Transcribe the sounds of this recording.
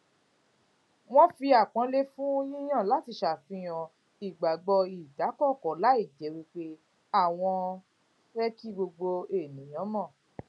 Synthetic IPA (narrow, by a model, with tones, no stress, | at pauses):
w̃ɔ̃˦fi˧a˨k͡pɔ̃˨˦le˦fũ˦o˦jĩ˦j̃ã˦˨la˨˦ti˧˦ʃa˨fĩ˧j̃ɔ̃˨ | i˨ɡ͡ba˨ɡ͡bɔ˧i˨da˨˦kɔ˦˨kɔ˨˦la˨˦i˦˨d͡ʒɛ˨˦wi˧k͡pe˦ | a˦˨w̃ɔ̃˧ | ɾɛ˦ki˦ɡ͡bo˧ɡ͡bo˧e˨nĩ˨˦j̃ɔ̃˨˦mɔ̃˦˨